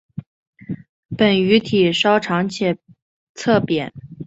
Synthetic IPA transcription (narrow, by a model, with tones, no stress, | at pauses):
pə˨˩ny˧˥t̪ʰi˨˩ʂɑ˥ʊʈ͡ʂʰɑ˧˥ŋt͡ɕʰɛ˥˩ | t͡sʰɤ˥˩pjɛ˨˩˦n